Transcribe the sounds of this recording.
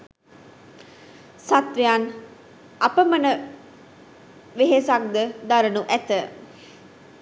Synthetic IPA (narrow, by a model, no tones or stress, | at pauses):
sat̪ʋejan | apəmənə | ʋeɦesak̚d̪əd̪aɾənuʔæt̪ə